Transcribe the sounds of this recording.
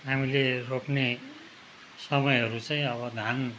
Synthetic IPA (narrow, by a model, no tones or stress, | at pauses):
ɦamileropne | sʌmʌjɦʌɾut͡saĩʌbʌd̪ʱan